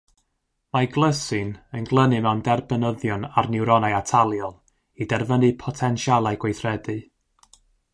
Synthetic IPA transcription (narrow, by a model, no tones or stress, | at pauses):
maɡlˠəsɨnənɡlˠənɨmɛwndɛrbənəðjɔnarnɪwɾɔnajatʰalˠjɔn | idɛrvənɨpʰɔtʰɛnʃjalˠajɡ̥wejθrɛdɨ